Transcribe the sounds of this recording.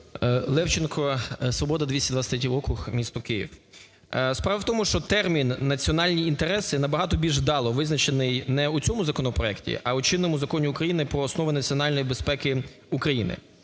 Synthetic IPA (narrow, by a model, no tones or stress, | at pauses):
lˠɛwt͡ʃenkʰɔsʋɔbɔd̪ɐd̪ʋʲisʲɐd̪ʋat͡s̪ʲɐt̪ɾʲɛt̪ʲiɔkʊxmʲist̪ɔkɪjḭw | spɾɑʋɐwt̪ɔmʊʃt͡ʃɔt̪ɛrmʲinːɐt͡sʲiɔnɑlʲnʲiːnt̪eɾɛsɪnɐbɐɦɑt̪ɔbʲilʲʒd̪ɑlˠɔʋɪznɐt͡ʃenɪjnɛut͡sʲɔmʊzɐkɔnɔpɾɔɛktʲḭʔɐut͡ʃɪnːɔmʊzɐkɔnʲiukɾɐjinɪpɾɔːsnɔʋɪnɐt͡sʲiɔnɑlʲnɔjibespɛkɪ | ukɾɐjinɪ̰